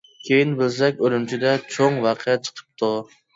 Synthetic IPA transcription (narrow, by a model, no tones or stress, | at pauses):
kʲʰejinbɪls̬ɛkʲølymt͡ʃʰid̪ɛt͡ʃʰoŋwɑqʰəjɛt͡ʃʰə̥qʰə̥p̚t̪ʰu